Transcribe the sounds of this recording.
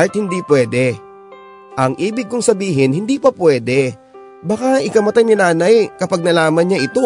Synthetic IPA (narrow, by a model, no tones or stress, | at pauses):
lt̪̚hɪnd̪iːpwɛːd̪ɛ | ʔɐŋʔiːbɪɡ̚kʊŋsɐbiːɦɪnhɪnd̪iːpɐpwɛːd̪ɛ | bɐkaʔɪkɐmɐt̪ajnɪnaːnajkɐpaɡ̚nɐlaːmɐnɲaʔɪt̪o